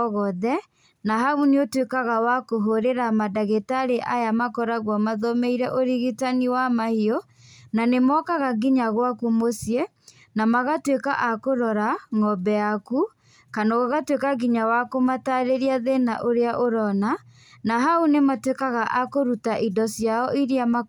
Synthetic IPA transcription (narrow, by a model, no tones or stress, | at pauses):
ɣɔðɛ | naɦauneotwekaɣawakoɦoɾeɾamadaɣetaɾeʔajamakɔɾaɣwamaðɔmɛiɾɛʔoɾiɣitaniwamahiɔ | nanemɔkaɣaɡiɲaɣwakumosje | namaɣatweka̰ʔakoɾɔɾaŋɔbɛaku | kanaɣoɣatwekaɡiɲawakomataɾeɾiaðena̰ʔoɾeaʔoɾɔna | naɦaunematwekaɣaʔakoɾutaʔidɔsjaɔʔiɾiama